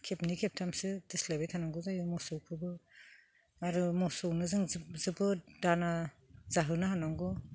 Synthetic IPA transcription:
kʰep̚nikʰep̚tʰamsɯdɯslabejtʰanaŋɡɯzajumɔsɔwkʰɯbɯ | aɾɯmɔsɔwnɯzɯŋzɯbɯdana | zaɦɯnaɦanaŋɡɔ

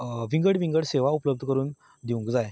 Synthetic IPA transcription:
ʋĩŋɡəɽʋĩŋɡəɽseʋaupləbd̪ʱəkəɾuːn | d̪iʋũŋkd͡zaj

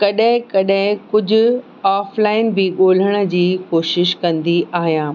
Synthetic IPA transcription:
kɐɗɦɪ̃kɐɗɦɪ̃kʊd͡ʑʱʊ | aːflaːɪnbɪɠoːl̤əɽ̃ə̆d͡ʑiːkoːʃɪʃkɐ̃nd̪iʔaːɦijãː

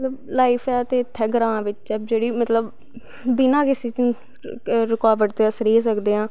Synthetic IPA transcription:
mət̪ləblaːipʰɛːt̪eːɪt̪ʰːɛːɡəɾãːʋɪt͡ʃɛd͡ʒeːɽiːmət̪ləbː | ɪnãːkɪseːt͡ʃː | ɾɪkaːʋəɽt̪esəɾiːs̬əkd̪eːãː

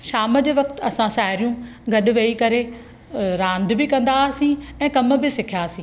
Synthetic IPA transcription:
ʃaːməd͡ʑeːʋɐkt̪̆ɐsãsaːɦɪɾijũɡɐɗʊ̆ʋeːikɐɾe | ɾãːnd̪̆bɪkɐ̃nd̪asĩɛ̃ːkɐmə̆bɪsɪkʰjaːsĩː

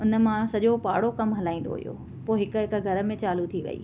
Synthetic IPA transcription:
ʊnə̆mãsɐʄopaːɽokɐmɦɐlaːĩːn̆d̪o̰ɦʊ̰jo̰ː | poːɦɪk̆ɦɪk̆ɡʱɐɾə̆mẽt͡ɕaːlut̪ʰiʋɐ̰ḭː

